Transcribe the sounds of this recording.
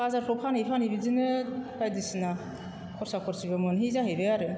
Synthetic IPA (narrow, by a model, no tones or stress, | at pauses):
bazaɾpʰɔpʰanipʰanhibizinɯkajdisina | kʰɔɾsakʰɔɾsibamɯnɦizaɦejbejaɾɯ